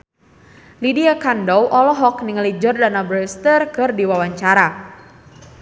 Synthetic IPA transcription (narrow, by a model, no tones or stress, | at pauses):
lidiakandɔwʔɔlɔɦɔkniŋəlid͡ʒɔrdanabɾɛst̪ərkɨrdiwawaɲt͡ʃaɾa